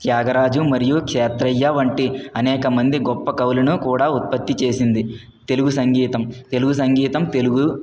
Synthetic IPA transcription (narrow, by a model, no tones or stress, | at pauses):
k̪jaːɡɐɾaːd͡ʒumɐɾijukʂɛːt̪ɾɐjːɐʋɐɳʈiɐnɛːkɐmɐnd̪iɡɔpːɐkɐwlɐnukuːɽaːut̪̚pɐt̪ːit͡ʃe̞ːsind̪i | t̪e̞luɡusɐŋɡiːt̪ɐmt̪e̞luɡus̬ɐŋɡiːt̪ɐmt̪e̞luɡu